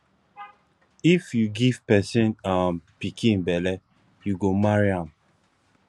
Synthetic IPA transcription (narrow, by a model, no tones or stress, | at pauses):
ifjuɡiv̥pɛsĩnampikʰĩnbɛlɛ | juɡomaɹiãm